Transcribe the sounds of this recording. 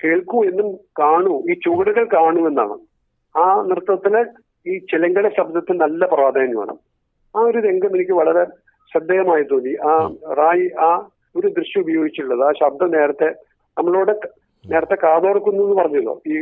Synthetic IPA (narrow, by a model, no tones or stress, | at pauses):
ke̞ːɭkːue̞nːumkaːɳuiːt͡ɕuɣɐɽuɣɐɭkaːɳue̞nːa̰ːɳɨ̰ | aːnirɨt̪ːɐt̪ːil | iːt͡ɕilɐŋɡɐɽeɕɐb̚d̪ʱɐt̪ːɨnɐlːɐprɐʋaːd̪ɐjɐnːuʋḛːɳɐ̰m | aːo̞ɾuðe̞ŋɡɐmenikʲːɨʋɐɭɐɾe̞ | ɕɐd̪ːeːɣɐmaːjit̪ːoːnd̪iʔaːraːjiaː | o̞ɾud̪rɨɕjɐubɐjo̞ːɡit͡ɕːiʈuɭːɐðɨaːɕɐb̚d̪ʱɐmne̞ːɾɐt̪ːe̞ | nɐmːɐɭoːɽe | ne̞ːɾɐt̪ːe̞kaːðo̞ːrɐkːunːuenːupɐrɐɲːuɭːo̰ːiː